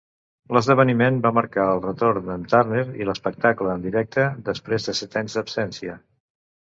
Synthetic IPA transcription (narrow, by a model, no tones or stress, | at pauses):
ləzðəβ̞ənimenbaməɾkaəlˠrət̪oɾnənt̪arneɾḭləspək̚t̪akləːnd̪iɾɛk̚t̪əd̪əspɾezðəsɛt̪aɲzd̪əpsɛnsiə